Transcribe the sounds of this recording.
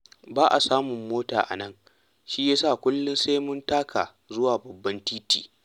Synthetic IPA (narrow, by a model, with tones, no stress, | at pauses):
baː˦ʔa˨saː˦mʊ˨mːoː˦ta̰ː˨ʔa̰˨nɐ˦ŋ | ʃiː˦jaː˦saː˦˨kʷʊ˦lːʊ˦nse˦mʊ˦ntaː˦kʰa̰ː˨ | zʊ˦waː˨bɐ˨bːɐ˦ntiː˦tḭː˨